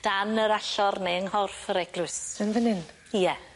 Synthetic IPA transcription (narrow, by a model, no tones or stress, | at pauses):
d̥anəɾaɬɔrneəŋhɔrfəɾɛɡlʊsənðənɪn | jɛ